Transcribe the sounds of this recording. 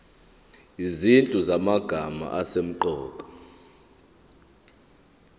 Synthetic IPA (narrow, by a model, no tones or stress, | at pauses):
izint͡ɬʼuzamaɡ̥ʱama̰ʔasem̩ǃɔːkʼɔ̥